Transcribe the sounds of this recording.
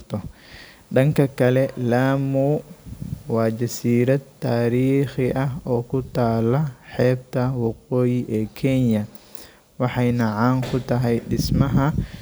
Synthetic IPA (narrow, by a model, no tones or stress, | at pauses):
t̪ʰɔ | ɗɐŋkʰɐkʰɐlɛlaːmuː | wɑːd͡ʒɐsiːɾɐd̪t̪ʰːaːɾiːχɪʔɐɦɔːkʰʊt̪ʰaːlɐħɛːb̚t̪ʰɐwɑqɔːjɪʔɛːkʰɛnjɐ | wɑħɑjnɐʕaːŋkʰʊt̪ʰɐɦɛjɗɪsmɐɦɐ